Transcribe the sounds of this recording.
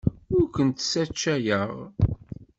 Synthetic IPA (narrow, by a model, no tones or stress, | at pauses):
ʊɾkʷənt̪sæt͡ʃːæjəʁ